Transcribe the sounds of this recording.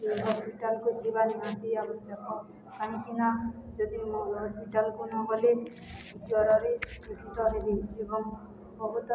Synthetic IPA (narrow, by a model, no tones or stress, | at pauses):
eɦɔspiʈalkud͡ʒibaniɦãt̪iabɔsjɔkɔ | kaɦĩkinad͡ʒɔd̪imolɦɔspiʈalkunɔɡɔle | utwɔɾɔɾeket̪ʰit̪ɔɦebeebɔŋ | bɔbɔt̪